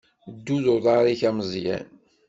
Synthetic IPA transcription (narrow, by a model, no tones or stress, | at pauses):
d̪ːuðʊɾðˤɑɾˤiçæməzˤjæ̰n